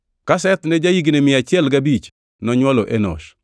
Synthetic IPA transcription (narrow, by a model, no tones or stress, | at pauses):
kasɛt̪nɛd͡ʒajiɡinemɪat͡ʃɪɛlɡabit͡ʃ | nɔɲwaloʔenɔ̰ʃ